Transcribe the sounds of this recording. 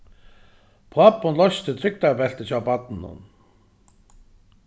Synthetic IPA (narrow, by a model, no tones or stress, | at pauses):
pʰoapːʊnlɔst̪ɪt̪ʰɾʏk̚t̪apɛl̥t̪ɪsawpat̪nʊ̰n